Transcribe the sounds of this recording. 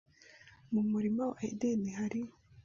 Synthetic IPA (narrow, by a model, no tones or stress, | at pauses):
mumuɾimawaʔaidinihaɾi